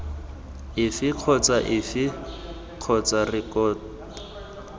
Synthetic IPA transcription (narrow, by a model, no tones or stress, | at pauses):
ɪfɪq͡χʰɔt͡saʔɪfɪ | q͡χʰɔt͡sarɪkɔːt